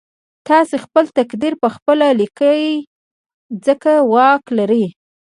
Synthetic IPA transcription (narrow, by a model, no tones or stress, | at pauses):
t̪ɑsexpəlt̪akd̪iɾpəxpəlalikə | zəkawɑklaɾəj